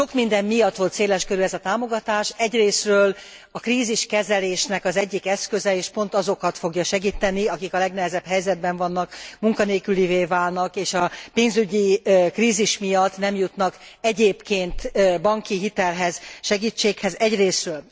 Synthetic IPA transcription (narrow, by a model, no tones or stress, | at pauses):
ʃo̞kmind̪ɛmːijɒt̪ːʋo̞lt̪seːlɛʃkøɾyɛzɒt̪aːmo̞ɡɒt̪aːʃɛɟreːsrøːl | ɒkriːziʃkɛzɛleːʃnɛkɒzɛɟːikɛskø̞zɛeːʃpo̞nt̪ɒzo̞kɒt̪fo̞ɡjɒʃɛɡiːt̪ɛniɒkikɒlɛɡnɛɦɛzɛbɦɛjzɛd̪̚bɛɱvɒnːɒkmuŋkɒneːkyliveːvaːlnɒkeːʃɒpeːnzyɟikriːziʃmijɒt̪ːnɛmjut̪nɒkɛɟeːpkeːnt̪bɒŋkiɦit̪ɛlɦɛz̥ʃɛɡiːt͡ʃːeːkhɛzɛɟreːsrøːl